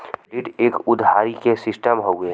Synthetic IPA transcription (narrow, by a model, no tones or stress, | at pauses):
lɪʈeːkʊd̪ʱaːɾikesɪsʈəmɦoːɡeɦ